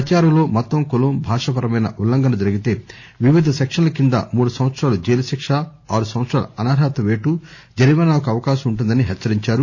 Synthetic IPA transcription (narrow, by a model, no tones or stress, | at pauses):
ɐt͡ʃaːɾɐmlo̞ːmɐt̪ːɐmkuloːmbʱaːʂɐpɐɾɐmɐjnɐ̰ʔulːɐŋɡɐnɐd͡ʒɐɾiɡit̪e̞ː | ʋiʋid̪ʱɐsekʂɐnlɐkind̪ɐ̰muːɽusɐmʋɐt̪sɾaːlud͡ʒeːlɐʃikʂa | aːɽusɐm̃ʋɐt̪sɾaːlṵɐnaːɾaːt̪ɐʋeːʈu | d͡ʒɐɾiʋɐnnaːkuɐʋɐkaːʃɐmuɳʈ̬und̪ɐniɦɛt͡ʃːɐɾiɲt͡ʃaːɾu